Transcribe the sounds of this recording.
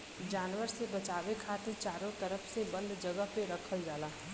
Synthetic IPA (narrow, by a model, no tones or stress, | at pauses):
d͡ʒaːnʋəɾsebət͡ʃaːbekʰat̪iɾt͡ʃaɾõt̪əɾəpʰsebənd̪ʱd͡ʒəɡəɦpeɾəkʰəld͡ʒaːla